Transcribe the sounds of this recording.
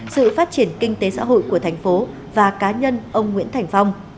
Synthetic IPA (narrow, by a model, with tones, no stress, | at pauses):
sɨ̰˧˨faː˦˥t̚t͡ɕi˧˩ənkï˧ŋ̟t̪e˨˦sa̰ː˧˥ɦo̰˧˨jku˧˩ət̪ʰjŋ̟fo˨˦ | vaː˨˩kaː˨˦ɲə˧nʔə˧wŋ͡mŋwḭ˧˥ənt̪ʰa˨˩jŋ̟fa˧wŋ͡m